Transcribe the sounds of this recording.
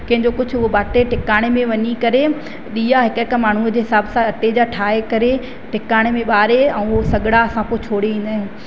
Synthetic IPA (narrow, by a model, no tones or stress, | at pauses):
kɐ̃ɦɪ̃ɲd͡ʑokʊd͡ʑʱʊʊɦobaːʈeʈɪkaːɽ̃emẽʋɐɲikɐɾe | ɗiːaɦɪkkmaːɳ̤uəd͡ʑeːɦɪsaːbsãɐʈed͡ʑaːʈʰaːekɐɾe | ʈɪkaːɽ̃emẽɓaːɾeɛ̃ːʊɦosɐɡɽaɐsãpoːɪt͡ɕʰoːɽeĩːnd̪aːɦɪ̃n